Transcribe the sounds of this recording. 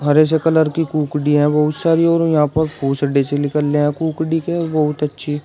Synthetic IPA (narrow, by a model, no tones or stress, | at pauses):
ɦɐɾes̬ekɐləɾkikuːkɖiɦɛ̃bɐɦʊt̪saːɾiɔːɾjɐɦãːpɐɾpuːsɖeselɪkəlːeɦɛ̃kuːkɖikebɐɦʊt̪ɐtːʃʰi